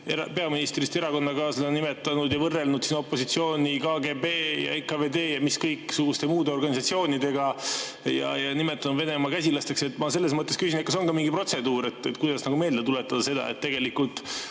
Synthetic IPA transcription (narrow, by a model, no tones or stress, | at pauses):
eɾɑpe̞ɑminist̪rist̪e̞ɾɑko̞nːɑkɑːslɑnime̞t̪ːˑɑnud̪jɑvɤrːelnud̪̥siːno̞pːo̞sit̪sio̞ːnʲikɑːɡe̞beːjɑ̰ekɑved̪e̞ːjɑmiskɤjkːˑsuɡ̥ust̪e̞muːd̪e̞o̞rɡ̥ɑnʲisɑt̪sio̞ːnid̪̥e̞ɡɑ | jɑ̰jɑnimet̪ːˑɑnud̪ve̞ne̞mɑkæs̬ʲilɑst̪e̞kse̞t̪ːˑmɑse̞lːes̬mɤt̪ːˑeskys̬ʲinekɑs̬o̞nkɑmiŋɡipro̞t̪se̞d̪uːɾe̞t̪ːet̪kujd̪ɑsnɑɡume̞ːld̪et̪ulet̪ːˑɑd̪̥ɑse̞d̪ɑ̰ḛt̪ːe̞ɡ̥e̞likːult̪ˑ